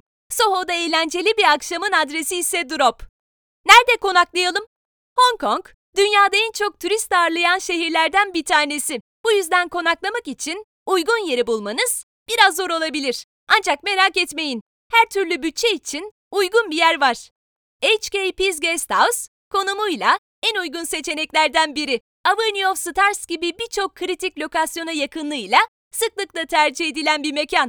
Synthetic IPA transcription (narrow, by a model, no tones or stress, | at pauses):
so̞ɦo̞d̪aejlʲænd͡ʒe̞lʲibiɾakʃamɯnad̪ɾe̞siːsɛd̪uɾop | næɾd̪ɛko̞naklˠajalˠɯm | ho̞ŋkʰo̞ŋk | d̪ynjaːd̪aɛnt͡ʃʰo̞k̚t̪ʰuɾist̪aːɾlˠajanʃe̞ɦiɾlʲæɾd̪ænbit̪ʰaːne̞si | b̥ujyzd̪ænkʰo̞naklˠamakit͡ʃʰin | ujɡunje̞ɾibulˠmanɯz̥ | b̥iɾazːo̞ɾo̞lˠabilʲiɾ̥ | and͡ʒak̚me̞ɾakɛt̪me̞jin | hæɾt̪ʰyɾlʲybyt̚t͡ʃʰːeit͡ʃʰin | ujɡunbijæɾvaɾ̥ | ejt͡ʃcejpizɡest̪ʰaws | kʰo̞numujlˠa | ænujɡunse̞t͡ʃʰe̞nɛclʲæɾd̪ænbiɾi | avɯɾniofsɯt̪ʰaɾsɟ̥ibibiɾt͡ʃʰo̞kʰːɯɾit̪ʰiclʲo̞kasjo̞najakʰɯnlˠɯjlˠa | sɯklˠɯklˠat̪ʰæɾd͡ʒie̞d̪ilʲænbiɾme̞cʰan